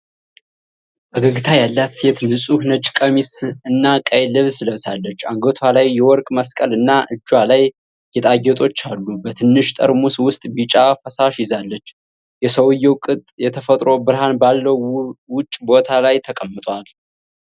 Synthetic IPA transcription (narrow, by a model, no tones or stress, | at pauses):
ʔəɡəɡɨt̪ʰajalːat̪jɛt̪ʰɨnɨsʼuhnət͡ʃʼːɪ̥kʼəmisɨnːakʼəjlɨβsləβsalːət͡ʃːaŋɡət̪ʰwalajːɛwɔɾkʼməskʼəlɨnːaʔɨt͡ʃːwalaj | jɛt̪ʼajːɛt̪ʼo̞t͡ʃːalːubət̪ʰɨnːɨʃt̪ʼə̰ɾmuswʊst̪ʼbit͡ʃʼafəsaʃjɪzalːət͡ʃː | jɛsəwjɛwkʼɨt̪ʼjɛt̪ʰəfət̪ʼɾo̞bɨɾhanbalːəwwʊt͡ʃʼːbo̞t̪ʰalajt̪ʰəkʼəmːɨt̪ʼwal